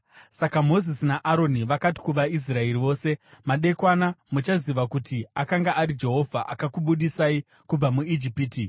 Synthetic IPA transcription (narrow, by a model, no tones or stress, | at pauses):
sakamo̞zisinaʔaɾo̞niʋakati̥kuʋais̬rae̞riʋo̞ːse̞maɗe̞kwanamut͡ʃaziʋakutiakaŋɡaʔaɾid͡ʒe̞ɦo̞vʱa̰ʔakakuɓuɗisai | kub͡vamuid͡ʒipiːti